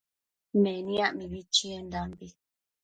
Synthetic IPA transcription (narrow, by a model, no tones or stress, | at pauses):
mɛniaʔmibit͡ʃiendambi